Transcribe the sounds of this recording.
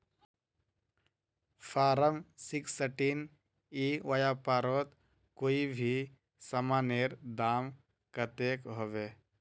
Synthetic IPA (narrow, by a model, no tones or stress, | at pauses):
pʰaːɾəmsɪksəʈiːn | iʋəjaːpaːɾoːt̪ | koːibʱi | səmaːneːɾd̪aːm | kət̪eːkɦoːʋeː